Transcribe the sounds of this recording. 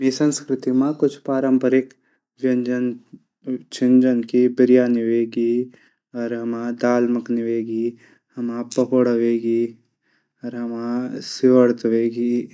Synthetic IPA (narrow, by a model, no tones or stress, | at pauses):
miːsɐ̃nskɾɪt̪imãkʊt͡ʃʰpaːɾəmpəɾɪk | ʋjɐnd͡ʒən | t͡ʃʰɪnd͡ʒənkibɪɾijaːnɪʋeːɡiː | ɔːɾɦɐmãd̪aːlməknɪʋeːɡi | hɐmãpɐɦoːɽəʋeːɡiː | ɔɾɦɐmãsɪʋəɽt̪ʋeːɡiː